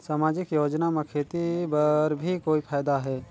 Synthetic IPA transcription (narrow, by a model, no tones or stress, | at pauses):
saːmaːd͡ʒɪkjoːd͡ʒnamẽkʰeːt̪ibɐɾbʱikoːipʰaːjd̪aɦɛː